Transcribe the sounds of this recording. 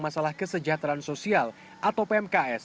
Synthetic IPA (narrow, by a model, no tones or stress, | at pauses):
masalahkəsəd͡ʒat̪ɾaansosial | ʔat̪awpeɛmkaɛs